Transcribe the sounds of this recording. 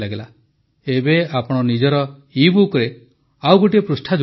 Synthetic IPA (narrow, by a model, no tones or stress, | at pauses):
laɡela | ebeapɔɽ̃ɔnid͡ʒɔɾɔ | ibukɾe | awɡoʈiepɾusʈʰad͡ʒ